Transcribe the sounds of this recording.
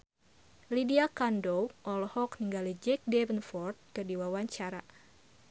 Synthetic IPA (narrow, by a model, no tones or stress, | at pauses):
lidiakandowʔɔlɔhɔkniŋɡalid͡ʒɛk̚dɛvənfɔrt̪̚kɨrdiwawaɲt͡ʃaɾa